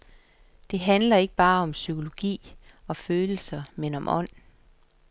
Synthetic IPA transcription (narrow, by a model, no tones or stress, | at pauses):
d̥e̝ɦænlɐe̝ɡ̥əb̥ɑ̈ːɒ̽msykʰo̝lo̝ɡ̥ḭːɒ̽føːl̩sɐmenɒ̽mʔɒ̽n̰